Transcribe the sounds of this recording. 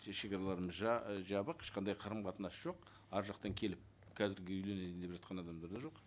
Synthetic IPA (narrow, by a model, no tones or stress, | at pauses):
ʃe̞kʲɑɾɑlˠɑɾəməzʒʒɑbəqʰɪ̥ʃqɑnd̪ɑjqʰɑɾəmqɑt̪ənɑsʒ̥o̞q | ɑɾʒɑqt̪ɑŋkʲʰe̞lɪp̚ | kʲʰæzɪɾɡʲeʏjle̞ned̪lepʒɑt̪̚qɑnɑd̪ɑmd̪ɑɾd̪ɑʒo̞q